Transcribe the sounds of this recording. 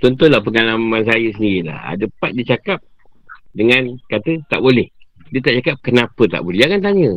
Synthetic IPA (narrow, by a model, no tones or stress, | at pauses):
t̪ɔnt̪ʊnlahpəŋalamans̬ajəs̬əndiila̰ha̰dəpat̪̚diət͡ʃakap̚ | dəŋankat̪ət̪a̰ʔbolɛh | diət̪aʔt͡ʃakap̚kənapət̪a̰ʔbolɛakant̪aɲə